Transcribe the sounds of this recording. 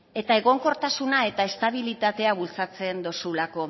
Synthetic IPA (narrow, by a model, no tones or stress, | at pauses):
e̞t̪ae̞ɣ̞o̞ŋko̞ɾt̪asunae̞t̪ae̞st̪aβilit̪at̪e̞aβult͡sat͡se̞nd̪o̞sulako̞